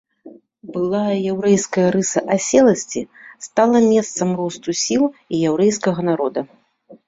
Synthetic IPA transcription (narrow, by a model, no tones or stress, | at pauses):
bɨlˠajjɛwɾɛjskɐjɐɾɨsɐʔasʲɛlˠɐsʲt͡sʲist̪alˠɐmʲɛst̪sɐmrɔst̪usʲilˠijɛwɾɛjskɐɣɐnaɾɔd̪ɐ